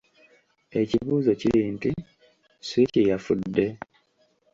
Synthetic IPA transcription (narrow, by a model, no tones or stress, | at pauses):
e̞ciβuːzo̞ciliːnti | swicijafudːe̞